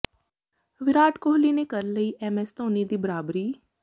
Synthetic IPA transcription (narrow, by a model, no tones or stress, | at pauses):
ʋɪɾaːʈkoːɦliːnekɐɾləiʔɛːmɛst̪oːnid̪iːbəɾaːbɾiː